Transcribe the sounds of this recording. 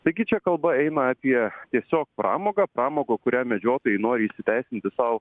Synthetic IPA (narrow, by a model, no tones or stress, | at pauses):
t̪ɐɪɡʲɪt͡ʃʲɛkɐlˠbɐɛɪnɐɑːpʲiɛt̪ʲiɛsʲoːk̚pɾɑ̰ːmoːɡɑːpɾɑːmoːɡoːkʊɾʲæːmʲɛd͡ʒʲoːt̪oːjɛɪnoːɾʲɪiːʃʲsʲɪt̪ʲæɪsʲɪnʲt̪ʲɪsɐʊ